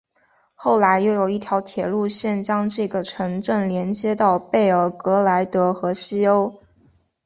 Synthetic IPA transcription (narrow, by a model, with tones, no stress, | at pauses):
xo˥˩ʊla˧˥ɪjo˥˩ʊjo˨˩ʊi˥˩t̪ʰjɑ˧˥ʊt̪ʰjɛ˨˩lu˥˧ɕjɛ˥˩nt͡ɕjɑ˥ŋʈ͡ʂɤ˥˩ɡə˩ʈ͡ʂʰɤ˧˥ŋʈ͡ʂə˥˩nljɛ˧˥nt͡ɕjɛ˥t̪ɑ˥˧ʊpe˥˩ɪə˞˨˩kɤ˧˥la˧˥ɪt̪ɤ˧˥xɤ˧˥ɕi˥o˥ʊ